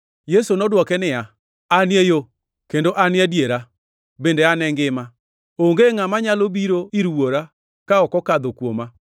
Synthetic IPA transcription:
jɛsonɔdwɔkɛnɪja | anɪejo | kendoʔanɪadjeɾa | bendeanɛŋɡɪma | oŋɡeŋamaɲalobiɾoiɾuwoɾa | kaɔkɔkaðokwoma

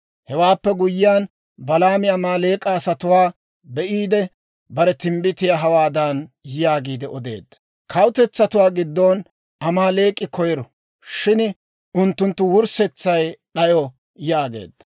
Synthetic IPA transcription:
hɛwaːpːɛɡʊjːɪjaːn | bɐlaːmɪɐmaːle̞ːkʼːɐːsɐt̪ʊwaː | bɛʔiːd̪ɛ | bɐɾɛt̪ɪmbɪt̪ɪjaɦɐwaːd̪ɐnjjaːɡiːd̪ɛʔɔd̪e̞̰ːd̪ːɐ̥ | kʰɐwt̪ɛt͡sːɐt̪ʊwaːɡɪd̪ːon | ɐmaːle̞ːkʼːɪkɔjɛɾɔ | ʃɪn | ʔʊnt̪ːʊnt̪ːʊwʊɾsɛt͡sːɐjɗɐjɔ | jaːɡḛːd̪̥ːɐ̥

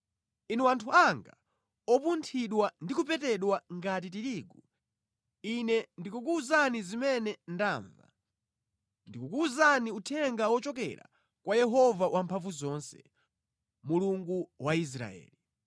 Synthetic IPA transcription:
inɛwantʰuaŋɡa̰ | ɔpuntʰiɗwandikupɛtɛɗwaŋɡat̬itiɾiːɡu | inɛndikuk̬uzanizimɛnɛndaːɱva̰ | ndikukuːzaniutʰɛŋɡawɔt͡ʃɔk̬ɛ̰ɾa̰ | kwajɛɦɔvawʔampʰaɱvuzɔnsɛ | muluŋɡuwais̬ɾa̰ɛ̰ːli

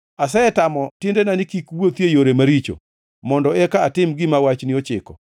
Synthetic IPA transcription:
asɛɛtamɔtɪndenanɪkikwot̪jejoɾemaɾit͡ʃo̰ | mɔndɔɛkaːtɪmɡɪmawat͡ʃnɪot͡ʃɪkɔ

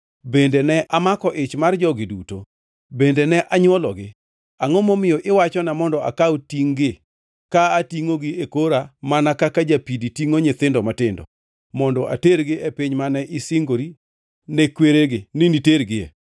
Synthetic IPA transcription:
bendenɛʔamakɔʔɪt͡ʃmard͡ʒɔɡɪduto̰ | bendenɛʔaɲwɔlɔɡɪ | aŋɔmɔmɪjɔʔɪwat͡ʃɔnamɔndɔa̰kawtiŋɡɪ | kaːtiŋoɡɪekoɾamanakakad͡ʒapiditiŋoɲet̪ɪndɔmatɪndɔ̰ | mɔndɔʔa̰teɾɡɪepiɲmanɛʔɪsɪŋɡoɾi | nɛkweɾeɡɪniniteɾɡɪɛ̰

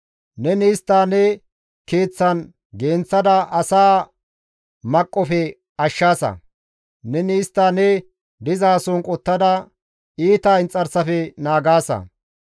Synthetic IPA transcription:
nɛniːst̪ːaːnɛ | keːt͡sːɐn | ɡe̞ːnt͡sːɐd̪ɐʔɐsaː | mɐkʼːɔfɛ | ɐʃːaːsɐ̰ | nɛniːst̪ːaːnɛ | d̪ɪzaːsɔnkʼɔt̪ːɐd̪ɐ | iːt̪aːɪnt͡sʼːɐɾsɐfɛnaːɡaːsɐ̰

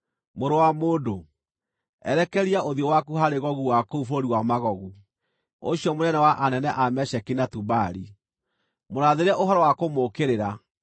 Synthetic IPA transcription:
moɾowamoːdo | ɛ̰ɾɛkɛɾiaʔoðiɔwakuɦaɾeɣɔɣuwakoufoɾiwamaɣɔɣu | o̰ɕjɔmonɛnɛwaʔanɛnɛʔamɛʃɛkinatubaɾi | moɾaðeɾɛʔoɦɔɾɔwakomokeɾeɾa

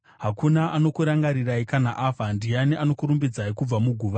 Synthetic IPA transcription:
ɦakunaʔano̞kuɾaŋɡaɾiraikanaʔafandianiʔano̞kuɾumbid͡zaikub͡vamuɡʱuːʋa

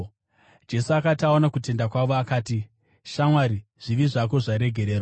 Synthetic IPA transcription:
d͡ʒe̞suakataonakute̞ndakwaʋo̞akaːti | ʃamwaɾiʐ̥iʋiʐak̬o̞ʐaɾe̞ɡʱe̞ɾe̞ːɾa

